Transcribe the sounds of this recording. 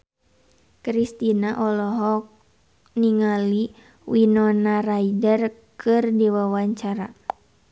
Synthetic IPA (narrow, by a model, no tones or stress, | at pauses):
kɾist̪inaʔɔlɔɦɔk̚ | niŋali | winɔnaraidərkʰɨrdiwawaɲt͡ʃaɾa